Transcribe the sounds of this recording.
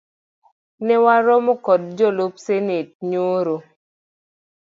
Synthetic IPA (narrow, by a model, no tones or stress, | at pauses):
nɛwaɾɔmokɔd̚d͡ʒɔlop̚senet̚ɲoɾo